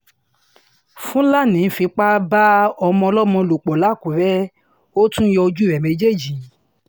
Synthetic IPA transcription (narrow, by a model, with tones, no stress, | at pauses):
fũ˦la˦˨nĩ˨˦fĩ˧k͡pa˦ba˦ɔ˧mɔ̃˧ɔ˧lɔ˦mɔ̃˧lo˨k͡pɔ˨la˨˦˨ku˨ɾɛ˦ | o˦tũ˦jɔ˧d͡ʒu˦˨ɾɛ˨mẽ˧˦d͡ʒe˦˨d͡ʒi˨˦